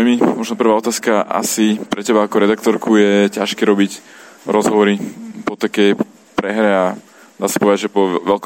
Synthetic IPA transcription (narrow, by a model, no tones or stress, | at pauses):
jmimɔʒnɔpr̩ʋaːɔt̪aːskaʔa̰sipɾɛcɛbaːkɔɾɛd̪akt̪ɔɾkʰujɛcaʃkɛɾɔbicɾɔzɦɔʋɔɾipɔt̪akɛj | pɾɛɦɾɛa | d̪aːsḁpɔʋɛd̪aʒɛpɔʋɛlk